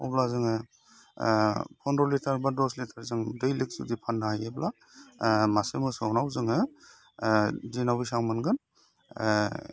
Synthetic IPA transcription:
ɔblazɯŋɯ | pʰɔndɔlitʰaɾbadɔslitʰaɾzɯŋdɯjlik̚sudipʰanːaɦajebla | masemɯsɯwnawzɯŋɯ | dinawisaŋmɯnɡɯn

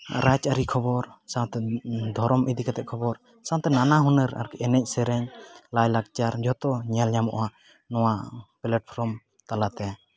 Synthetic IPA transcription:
ɾʔat͡ʃaɾikʰɔbɔɾsãt̪ɛd̪ʱɔɾɔmʔid̪ikɛt̪ɛʔ̚kʰɔbɔɾ | sãt̪ɛnanaɦunəɾa̰ɾkɛʔɛnɛc̚ˀsɛɾɛɲlajlak̚t͡ʃaɾd͡ʒɔt̪ɔɲalɲamɔ̰ʔa | nɔwapɛlɛʈ̚pʰɾɔm | t̪alat̪ɛ

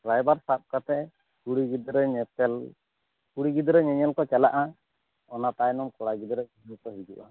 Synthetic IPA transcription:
ɾajbaɾsat̪̚kat̪ɛ | kuɽiɡid̪ɾɛɲɛpɛl | kuɽiɡid̪ɾɛɲɛɲɛlkɔkɛlaʔa | ɔnat̪ajnɔmkɔɽaɡid̪ɔɾɛɛɲɛlkɔɦiɡuʔa

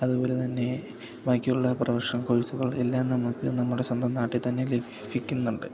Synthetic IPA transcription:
ɐðubo̞ːle̞t̪ɐnːe̞ | maːkːijuɭːɐprɐʋɐrʂɐmkoɻisuɣɐɭelːanːɐmːɐkːɨnɐmːuɽesɐnd̪ʱɐmnaːʈːit̪ɐnːe̞le | fikʲːunːuɳɖɨ

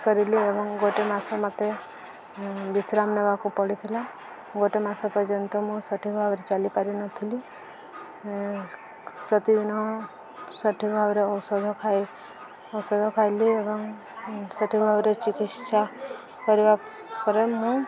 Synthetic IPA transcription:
kəɾiliebɔŋɡoʈemasɔmat̪e | bisɾamneʋakupəɽit̪ʰila | ɡoʈemasɔpəd͡ʒənt̪ɔmũsəʈʰibʱaʋɾet͡ʃalipaɾinɔt̪ʰili | pɾət̪iʋinɔ | səʈʰibʱaʋɾeɔwsɔd̪ʱɔkʰai | ɔwsəd̪ʱɔkʰajliebɔŋ | səʈʰibʱaʋɾet͡ʃikiʃa | kəɾiʋa | kəɾemũ

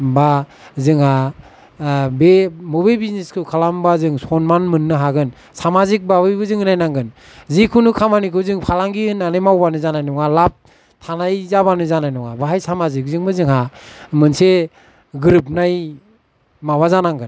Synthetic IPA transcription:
ba | zɯŋha | bemobebizneskʰɯkʰalambazɯŋsɔnmanmɯnːɯɦaɡɯn | samazik̚babɯjbɯzɯŋnajnaŋɡɯn | zikʰunukʰamanikʰɯwzɯŋpʰalaŋɡiɯnanɯjmawbanɯzanajnɔŋalap̚ | tʰanajzaβanɯzanajnɔŋabaɦajsamazik̚zɯŋbɯzɯŋɦamɯnse | ɡɯɾɯp̚naj | maβazanaŋɡɯn

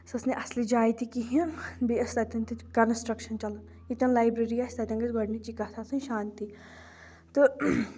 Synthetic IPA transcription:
sɐsniʔɐslid͡ʒaːjt̪ikiɦibiɐst̪at̪ʲɐnt̪ikɐɾnsʈɾɐkʃɐnt͡ʃɐlɐn | it̪ʲɐnlaːjbɾeɾiast̪at̪ʲɐŋɡɐtɡɐɽnit͡ʃikat̪ʰasɨnʃaːnt̪i | t̪ɨ

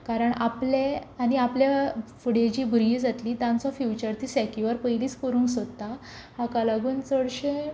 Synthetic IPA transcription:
kaɾəɳapleañiapljafuɽed͡ʑiːbuɾjid͡zat̪liːt̪ãnt͡sɔfjut͡ɕəɾt̪iːsɛkiʋəɾpəjliːt͡skoɾũːŋksod̪t̪a | hakalaɡuːnt͡səɽɕe

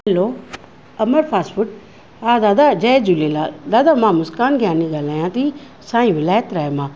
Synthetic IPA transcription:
ɐlːoː | ɐməɾpʰaːsfuʈ̚ | aːd̪aːd̪ad͡ʒɛːd͡ʒulelaːd̪aːd̪aːmãːmʊskaːnɡʱjaːnĩɡaːlaːjãːt̪ʰiː | sãːĩːʋɪlaːjət̪ɾaemãː

